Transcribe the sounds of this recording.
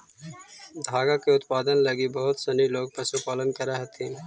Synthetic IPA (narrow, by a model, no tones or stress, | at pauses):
d̪ʱaːɡakeʊt̪paːd̪ənlɐɡibɐɦʊt̪sɐniloːɡ̚pɐsʊpaːlənkɐɾɐɦet̪ʰĩː